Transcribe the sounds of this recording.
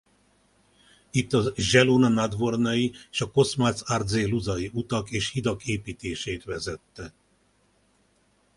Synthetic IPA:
it̪ːɒʒɛlonɒnad̪ʋo̞rnɒjieʃɒko̞smat̪sard̪zeːluzɒjiut̪ɒkeːʃhid̪ɒkeːpiːt̪eːʃeːt̪ʋɛzɛt̪ːɛ

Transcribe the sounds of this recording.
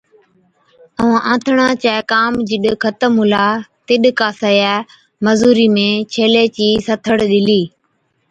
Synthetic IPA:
əãːʔãːt̪ʰɳãːt͡ʃaːekaːmd͡ʒɪɗkʰət̪əmɦʊlaːt̪ɪɗkaːsəːjaː | məzuːɾiːmẽːt͡ʃʰeːleːt͡ɕiːsət̪ʰəɽɗɪliː

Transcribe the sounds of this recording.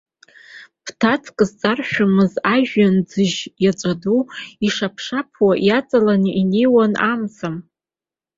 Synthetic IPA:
pʰtʰat͡sʰkʼɨzt͡sʼarʃᶣamɨzaʒᶣand͡zɨʒjat͡ʃʷʼaduiʂapʰʂapʰwajat͡sʼalanʔinejwanamt͡sʰam

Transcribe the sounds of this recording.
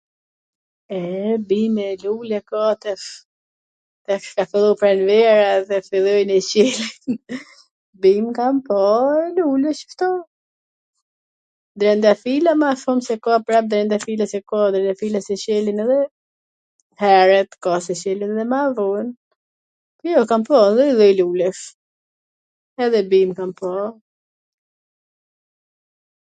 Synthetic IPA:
ɛbimɛlulɛkɔt̪ɛf | t̪ɛkkafilˠupɾɛnvɛɾaðɛfilˠɔjnɛt͡ɕɛlin | bimkampɔɛlulɛʃə̥ft̪ɔ | d̪ɾɛnd̪afilamaʃɔmsɛkɔapɾap̚d̪ɾɛnd̪afilasɛkɔd̪ɾɛnafilasɛɕɛlinɛðɛ | hɛɾɛt̪kɔsɛt͡ɕɛlinɛðɛmavɔn | pɔjɔkampɔnðɛiðɔjlulɛʃ | ɛðɛbimkampɔ

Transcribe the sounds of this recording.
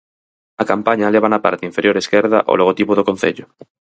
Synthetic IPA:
ɐkampaɲaleβ̞anapa̰ɾt̪ĩɱfeɾjoɾeskeɾða̰ʔo̰loɣ̞ot̪ipoðokon̟θḛʎʊ

